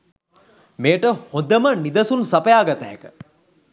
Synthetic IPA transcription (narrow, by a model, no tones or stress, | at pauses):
meːʈəhod̪əmənid̪ɐsunsɐpəjaːɡɐt̪aɦekə̥